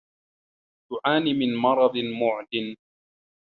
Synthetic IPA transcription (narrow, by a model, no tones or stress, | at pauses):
t̪ʊʔaːnimɪnmɑɾˤɑd̪ˤmʊʕd̪ɪn